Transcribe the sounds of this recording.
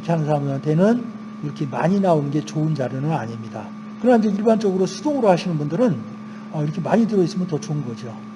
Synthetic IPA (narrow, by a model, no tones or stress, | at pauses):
pʰjanɯnsʰamuwantʰe̞nɯn | iɾʌkʰe̞ma̰ɲinaonɯnɡe̞t͡ɕoɯnd͡ʑaɾjʌnɯna̰ɲimɲida | kɯɾʌnaind͡ʑeiɭband͡ʑʌɡɯɾosʰudoɡɯɾohaɕʰinɯnbundɯɾɯn | ʌiɾʌkʰe̞maɲidɯɾʌis͈ɯmjʌntʌt͡ɕoɯnɡʌd͡ʑio